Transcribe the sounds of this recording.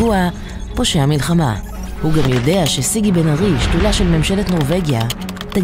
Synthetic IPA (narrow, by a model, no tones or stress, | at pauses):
ua | po̞ʃeamilχama̰ | huɡamjo̞de̞aʃe̞siɡibenaʁiʃtulaʃelme̞mʃe̞le̞t̪no̞ʁve̞ɡja | t̪a